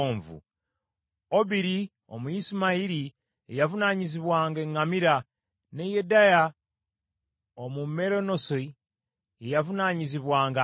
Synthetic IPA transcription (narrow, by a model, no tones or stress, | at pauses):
oːɱvṵ | oβiɾi | o̰muisimaiɾi | ejavunaɲiziβwaːŋɡeŋɡamiɾa | nejedaja | omume̞ɾo̞no̞s | ejavunaɲiziβwaːŋɡa